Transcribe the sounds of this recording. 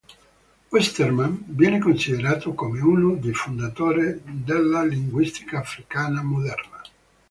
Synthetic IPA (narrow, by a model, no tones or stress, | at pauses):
wɛst̪ermanvjɛːnekonsid̪eɾaːt̪okomeuːnod̪ejfond̪at̪oːɾed̪elːaliŋɡwist̪i̥kaːfɾikaːnamod̪ɛrna